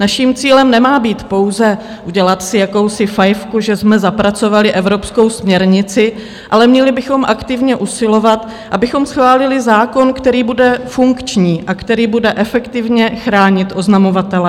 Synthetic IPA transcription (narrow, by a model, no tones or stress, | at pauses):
naʃiːmt͡siːlɛmnɛmaːbiːt̪po̞wzɛ | ʔuɟɛlat̪sɪjako̞wsɪfajfkuʒɛsmɛzapɾat͡so̞valɪʔɛvɾo̞psko̞wsmɲɛɾɲɪt͡sɪ | ʔalɛmɲɛlɪbɪxo̞mʔakt̪ɪvɲɛʔusɪlo̞vat̪ | ʔabɪxo̞msxvaːlɪlɪzaːko̞nkt̪ɛɾiːbudɛfuŋkt͡ʃɲiːʔakt̪ɛɾiːbudɛʔɛfɛkt̪ɪvɲɛxɾaːɲɪt̪ʔo̞znamo̞vat̪ɛlɛ